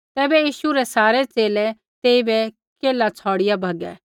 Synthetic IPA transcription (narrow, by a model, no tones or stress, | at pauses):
t̪ɛːbɛjiːʃuɾɛsaːɾɛt͡seːlɛ | t̪eːibɛ | keːlat͡sʰɔːɽɪjabʱɐɡɛ̰ː